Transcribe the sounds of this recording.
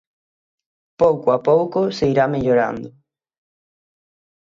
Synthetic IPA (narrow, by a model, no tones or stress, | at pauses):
powkoapowkʊseiɾameʎoɾa̰nd̪ʊ